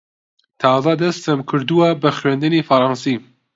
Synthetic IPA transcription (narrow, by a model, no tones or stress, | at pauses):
t̪ʰɑːzɑd̪ɐst̪ɐmkʰɨɾd̪uwabɐxɥend̪ɨnifɐɾɑːnsiː